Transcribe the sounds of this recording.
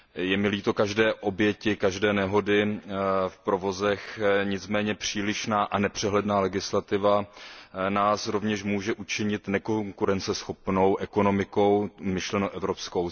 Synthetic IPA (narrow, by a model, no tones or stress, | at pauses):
jɛmɪliːt̪o̞kaʒdɛːʔo̞bjɛcɪkaʒdɛːnɛɦo̞dɪ | fpɾo̞vo̞zɛxɲɪt͡smɛːɲɛpr̝̥iːlɪʃnaːʔanɛpr̝̥ɛɦlɛdnaːlɛɡɪslat̪ɪva | naːsɾo̞vɲɛʃmuːʒɛʔut͡ʃɪɲɪt̪nɛkoŋkuɾɛnt͡sɛsxo̞pno̞wʔɛko̞no̞mɪko̞wmɪʃlɛnoʔɛvɾo̞pskow